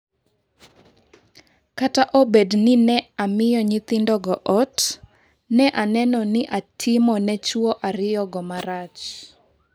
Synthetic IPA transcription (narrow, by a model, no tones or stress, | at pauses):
kataʔɔbednɪnɛamɪjɔɲɪt̪ɪndɔɡɔʔɔt | nɛʔanɛnɔnɪʔatʰɪmɔnɛt͡ʃwɔʔaɾɪjɔɡɔmaɾat͡ʃ